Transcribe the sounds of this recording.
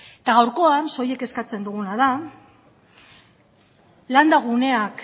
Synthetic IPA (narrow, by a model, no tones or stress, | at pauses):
et̪aɣawɾko̞anso̞je̞ke̞skat͡se̞nd̪uɣunað̞a | land̪aɣune̞ak